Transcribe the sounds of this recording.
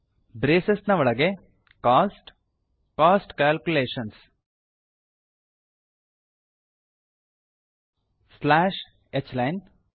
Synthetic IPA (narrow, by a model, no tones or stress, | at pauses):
bɾeːsesnɐʋɔɭɐɡe | kaːsʈ | kaːsʈkaːlkuleːʃɐns | slaːʃ | et͡ʃlɐjn